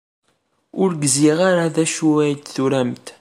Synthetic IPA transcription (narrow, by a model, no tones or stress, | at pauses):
ʊɾɡziʁaɾaðæʃuæjt̪ːθuɾæmt̪